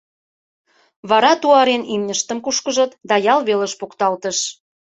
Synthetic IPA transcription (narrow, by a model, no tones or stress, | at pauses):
βɑɾɑt̪uɑɾenimnʲəʃt̪əmkuʃkəʒɤ̆t̪d̪ɑjɑlβelə̆ʃpukt̪ɑlt̪əʃ